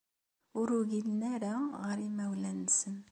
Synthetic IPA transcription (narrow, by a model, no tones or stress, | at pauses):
ʊɾuɡilnæɾaʁəɾimæwlænsən